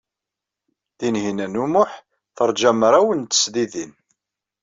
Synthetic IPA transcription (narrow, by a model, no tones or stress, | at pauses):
ðinɦinænumʊħ | θəɾˤd͡ʒæmɾˤæwənt̪ə̥sðiðin